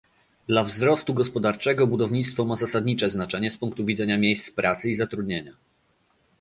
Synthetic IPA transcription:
d̪lavzɾɔst̪uɡɔspɔd̪aɾt͡ʂɛɡɔbud̪ɔvɲit̪st̪fɔmazasad̪ɲit͡ʂɛznat͡ʂɛɲɛspuŋk̚t̪uvʲid̪zɛɲamʲjejst̪spɾʔat̪sɘizat̪ɾud̪ɲeɲa

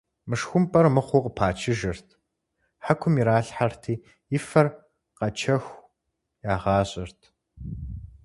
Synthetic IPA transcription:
mɨʂxʷʊmpʼɐrmɨχʷʊqəpʰaːt͡ʃʰɪʒɐrtʰ | ħakʷʰʊmiɾaːɬħartʰiː | ɪfɐr | qɐt͡ʃʰɐxʷ | jaːʁɑːɕʼɪrtʰ

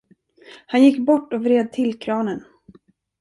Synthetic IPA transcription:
hanjɪkːbɔʈːɔvɾeːd̪̚t̪ʰɪlkʰɾɑːnən

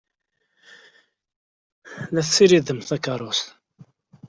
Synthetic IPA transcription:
læθsːiɾiðəmθækɑɾˤʊs

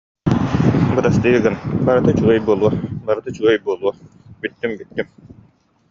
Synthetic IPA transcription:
bɯɾast̪ɯɯɡɯnbaɾɯt̪ɯt͡ɕuɐjbuɔlˠuɔbaɾɯt̪ɯt͡ɕuɔjbuɔlˠuɔb̥it̪ːymbit̪ːym

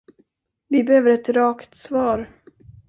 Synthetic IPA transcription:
vɪbɛhøːvəɾɛt̪ɾɑːkt̪svɑːɾ

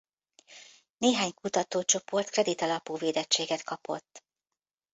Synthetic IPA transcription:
neːɦaːɲkut̪ɒt̪oːt͡ʃo̞po̞rt̪krɛd̪it̪ɒlɒpuːveːd̪ɛt͡ʃːeːɡɛt̪kɒpo̞̰t̪ː

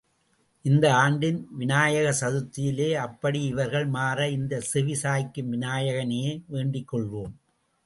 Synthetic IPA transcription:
ʔɪnd̪ɐaːɳɖɪnʋɪnaːjɐɣɐsɐðɯt̪ːɪjɪleːɐpːɐɽiɪʋɐɾɣɐɭmaːɾɐɪnd̪ɐsɪʋɪsaːjkːɯmʋɪnaːjɐɣɐnejeːʋeːɳɖɪkːɔɭʋoːm

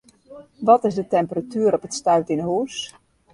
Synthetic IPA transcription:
ʋɔtɪsdətɛmpəratyːɾɔpətstœɥtɪnəɦuːs

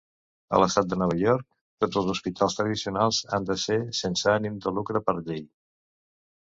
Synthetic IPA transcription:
ə̰ləst̪at̪̚d̪ənɔβ̞əʎɔɾk̚ | t̪od͡zəlˠzuspit̪ʰalˠst̪ɾəðisiunalˠza̰nd̪əsesensəənind̪ulukɾəpəɾʎej

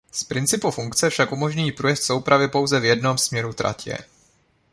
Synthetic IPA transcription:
spɾɪnt͡sɪpufuŋkt͡sɛfʃakʔumo̞ʒɲujiːpɾujɛft̪so̞wpɾavɪpo̞wzɛvjɛdno̞msmɲɛɾut̪ɾa̰cɛ̰

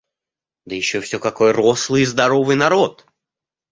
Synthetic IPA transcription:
d̪əjɪɕːofsʲɵkɐkojəroslˠɨjzd̪ɐɾovɨjnɐɾo̞t̪

